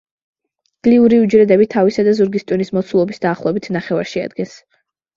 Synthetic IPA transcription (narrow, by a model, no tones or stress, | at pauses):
ɡ̪̥liuɾiud͡ʒɾɛd̪ɛbit̪ʰavisad̪azuɾɡist̪ʼwinismɔt̪sʰulˠɔbisd̪aːχlˠɔɛbit̪ʰnaχɛva̰ɾʃia̰d̪ɡɛns